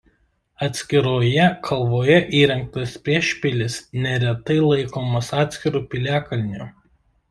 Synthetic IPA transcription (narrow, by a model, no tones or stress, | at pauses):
ɐt̪ʲsʲkʲɪɾoːjɛkʰɐlˠʋoːjɛʔiːɾʲɛŋk̚t̪ɐspʲɾʲiɛʃʲpʲɪlʲɪsnʲɛɾʲɛt̪ɐɪlˠɐɪkoːmɐsɑːt̪ʲsʲkʲɪɾuːpʲɪlʲæːkɐlʲnʲuː